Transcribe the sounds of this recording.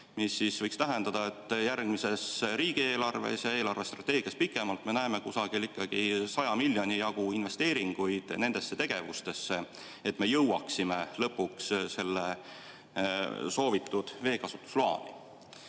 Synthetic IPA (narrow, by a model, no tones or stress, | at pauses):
misːisvɤ̞jkst̪æɦe̞nd̪̥ɑd̪̥ɑe̞t̪ˑːjærɡ̥mise̞sɾiːɡ̥ie̞ːlɑrve̞̰sjɑe̞ːlɑrve̞st̪rɑt̪ːe̞ːɡ̥iɑspikːˑe̞mɑlt̪me̞næeme̞kusɑɡ̥ilikˑːɑɡ̥isɑjɑmilʲjo̞nijɑɡ̥uinve̞st̪e̞ːɾiŋɡ̥ujd̪̥ne̞nd̪̥e̞sːe̞t̪e̞ɡ̥e̞vust̪e̞sːe̞ | et̪ːˑme̞jɤwwɑksimelɤpːuksse̞lːe | so̞ːvit̪ːˑud̪̥ve̞ːkɑsut̪ːˑu̥slɑ̰ːnḭ